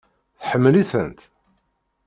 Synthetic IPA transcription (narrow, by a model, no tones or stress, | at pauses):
θħəmːəliθə̰nt̪